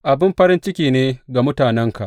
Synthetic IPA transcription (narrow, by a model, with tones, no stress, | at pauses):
ʔa˨bɪ˦mɸɐ˦ɾɪ˦nt͡ʃɪ˦kʲiː˨neː˦ɡa˨mʊ˦taː˨nɛ˦ŋka̰˨ʔ